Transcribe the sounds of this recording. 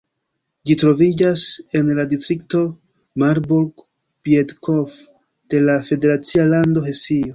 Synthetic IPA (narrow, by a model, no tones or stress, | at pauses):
d͡ʒitɾo̞vid͡ʒase̞nladistɾikto̞ | maɾbuɾk | piedkʰof | d̥e̞lafe̞de̞ɾat͡sialando̞ɦesio